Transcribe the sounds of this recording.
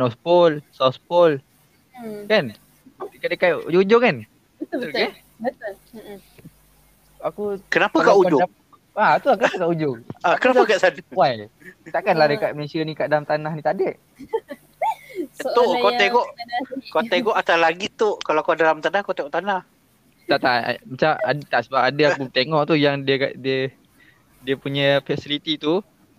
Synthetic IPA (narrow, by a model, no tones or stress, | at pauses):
nɔspɔlsaspɔl | kan | kaʔdəkajʔṵd͡ʒuɲd͡ʒʊŋkan | ke | bət̪ | akukənapəkaʔud͡ʒʊa | at̪uakənapəkaʔud͡ʒʊŋakənapakaʔsadawajt̪aʔkanlahdəkat̪̚mənesianĩkaʔdalamt̪anahnĩt̪aʔdəʔ | t̪okot̪ɛɡɔʔkot̪ɛɡɔʔat̪alaɡit̪oʔkalaakadalamt̪anahkot̪ɛʔkut̪anah | t̪aʔt̪aʔmat͡ʃama̰dt̪aʔsəbap̚adəakut̪eŋɔʔt̪ujaŋdiəka̰ʔdiə | diəpuɲə̃fɛsilit̪it̪u